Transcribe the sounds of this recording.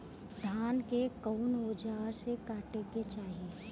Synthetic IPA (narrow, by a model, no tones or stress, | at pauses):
d̪ʱaːnkekɔʊnoːd͡ʒaːɾsekaːʈeket͡ʃaːɦie